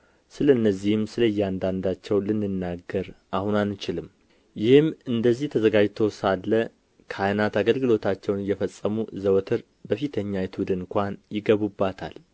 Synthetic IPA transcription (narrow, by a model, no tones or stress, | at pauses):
sɨləɨnːəzːihɨmsɨləjːɛand̪and̪at͡ʃːɛwlɨnːɨnːaɡːəɾʔahunanːɨt͡ʃɪlɨm | jɪhɨmɨnd̪əzːiht̪ʰəzəɡad͡ʒt̪ʰo̞wsalːə | kʰajnat̪aɡəlɡɨlo̞t̪ʰat͡ʃːɛwnɨjːɛfəsʼːəmuzəwt̪ʰɨɾ | bəfit̪ʰəɲːajɛt̪ʰud̪ɨŋŋkʷanjɪɡəβubːat̪ʰa̰l